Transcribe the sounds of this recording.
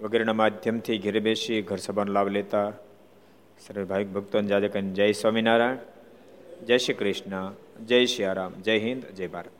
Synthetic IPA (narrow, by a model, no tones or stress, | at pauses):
ʋɐɡeɾɽ̃ɐmaːd̪ʱjɐmt̪ʰiɡʱiɾebeːʃiɡʱɐɾsɐbʱaːnlaːbleːt̪a | sɐɾʋibʱaːjik̚bʱɐk̚t̪ɐnd͡ʒaːd͡ʒɐkɐnd͡ʒɐjsʋaːminaːɾajɳ | d͡ʒɐːʃikɾɪʂnad͡ʒɐjʃiaːɾaːmd͡ʒɐjɦĩnd̪d͡ʒɐjbaːɾɐt̪